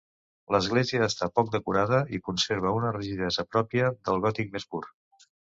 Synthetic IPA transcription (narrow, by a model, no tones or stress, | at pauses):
ləzɣleziəːst̪apɔk̚d̪əkuɾaðəikunseɾβ̞əunərəʒiðɛzəpɾɔpiəðəlˠɣɔt̪ik̚mespuɾ